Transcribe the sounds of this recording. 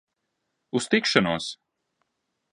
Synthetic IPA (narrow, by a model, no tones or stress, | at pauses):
ust̪ikʃanuɔs